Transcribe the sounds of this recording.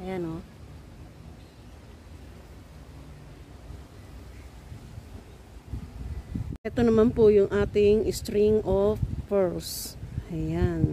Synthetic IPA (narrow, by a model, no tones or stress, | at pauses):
ʔɐjano | ʔɛt̪onɐmanpʊjʊŋʔaːt̪ɪŋʔɪst̪ɾiŋʔofːɛɹsɐjan